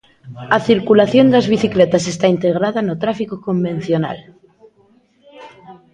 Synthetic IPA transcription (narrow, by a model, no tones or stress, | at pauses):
aθiɾkulaθjond̪eazβiθiklet̪asest̪aint̪eɣ̞ɾaðanot̪ɾafikokombẽ̞n̟θjona̰l